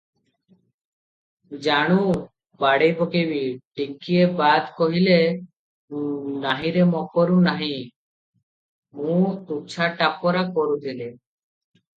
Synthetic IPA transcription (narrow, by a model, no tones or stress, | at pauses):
d͡ʒaɽ̃ũ | baɽejbokebiʈikiebad̪koɦile | naɦĩɾemɔkɔɾunaɦĩ | mũt̪uk̚t͡ʃʰaʈapɔɾakɔɾut̪ʰile